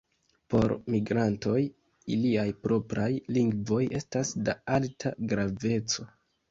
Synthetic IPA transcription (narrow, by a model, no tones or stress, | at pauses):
po̞ɾmiɡɾanto̞j | iliajpɾo̞pɾajliŋɡvo̞je̞stasdaaltʰaɡɾave̞t͡so̞